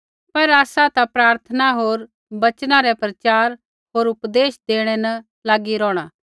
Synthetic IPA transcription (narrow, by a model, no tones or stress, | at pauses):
pɐɾaːsat̪apɾaːɾt̪ʰənaɦoːɾ | bɐt͡ʃnãɾɛpɾɐt͡ʃaːɾ | ɦoːɾʊpd̪eːʃd̪eːɽ̃ɛnɐ | laːɡiɾɔ̃ːɽ̃aː